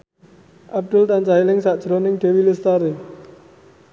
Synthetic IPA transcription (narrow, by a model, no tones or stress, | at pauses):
ʔab̚ɖʊlt̪ant͡ʃaɦilɪŋsaʔd̥d͡ʒ̥ɾonɪŋɖe̤wilɪst̪aɾe